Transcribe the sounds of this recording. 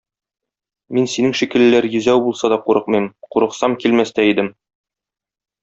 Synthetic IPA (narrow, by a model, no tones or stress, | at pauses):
minsinɘŋʃikɘ̆lɘ̆ːæɾjɵ̆zæwbulˠsɑd̪ɒquɾɤqmɤjmquɾɤ̆qsɑmkilmæst̪æid̪ɘm